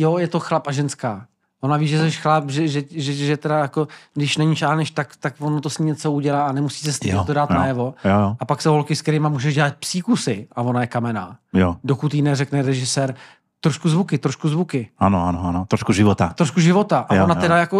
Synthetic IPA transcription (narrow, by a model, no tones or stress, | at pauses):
jojɛt̪o̞xlapaʒɛnskaː | vonaviːʒɛsɛʃxlapʒɛʒɛʒɛʒɛt̪ɛdajako̞ɡdɪʃnɛɲit͡ʃaːlnɛʃt̪akt̪akvonot̪osɲimɲɛt͡souɟɛlaːanɛmusiːsɛst̪it̪odaːt̪najɛvo̞jojoʔapaksowɦolkɪsktɛɾɪmamuːʒɛʒɟɛlat̪̚psiːkusɪʔavo̞najɛkamɛna̰jodokut̪inɛrɛknɛɾɛʒɪsɛːɾ | t̪ɾoʃkuzvukɪt̪ɾoʃkuzvukɪʔanoanoanot̪ɾoʃkuʒɪvot̪a̰t̪ɾoʃkuʒɪvo̞t̪aʔavonat̪ɛdajako